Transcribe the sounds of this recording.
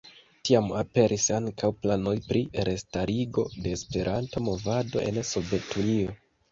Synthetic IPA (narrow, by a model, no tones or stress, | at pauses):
tiamape̞ɾʔisaŋkʰawplano̞jpɾiɾe̞staɾiɡo̞de̞ːspe̞ɾʔantomo̞vado̞̰ʔe̞̰nso̞ve̞tʰunio